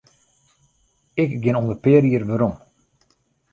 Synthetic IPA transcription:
ɪkɡɪnɔndəpɪəɾiərʋəɾɔm

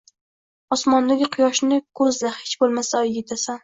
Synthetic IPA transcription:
ɒsmɒnd̪aɡʲɪqʰʊjɒʃnɪkʰɵzlahet͡ʃbolˠmasaɒjjʲet̪ʰasan

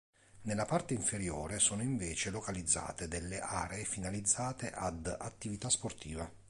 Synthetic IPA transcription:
nelːapart̪eiɱfeɾjo̰ːɾesoːnoiɱveːt͡ʃelokalid̪zːa̰ːt̪ed̪elːeʔaːɾeːfinalid̪zːaːt̪eʔad̪at̪ːivit̪asport̪iːva

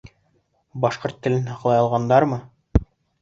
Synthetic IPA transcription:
bɑʃqoɾt̪ːɘ̆lɘnɦɑqlˠɑjɑlˠʁɑnd̪ɑɾmɤ

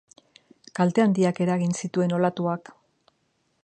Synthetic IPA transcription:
kalt̪e̞and̪iake̞ɾaɣinsit̪ue̞no̞lat̪uak

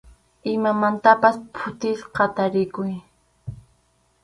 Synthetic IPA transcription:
ɪmamant̪apaspʰʊt̪ɪʃqɑt̪aɾɪkʊj

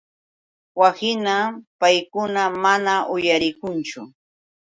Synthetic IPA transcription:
wasɪnapajkʊnamanaʔʊjaɾɪkʊnt͡ʃʊ

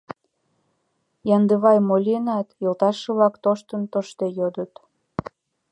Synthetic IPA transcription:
jɑnd̪əβɑjmolʲinɑt̪jəlt̪ɑʃɤβlɑkt̪oʃt̪ənt̪oʃt̪ejod̪ət̪

